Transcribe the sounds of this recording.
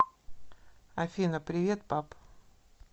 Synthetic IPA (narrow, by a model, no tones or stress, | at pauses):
ɐfʲinəpɾʲɪvʲe̞t̪̚pap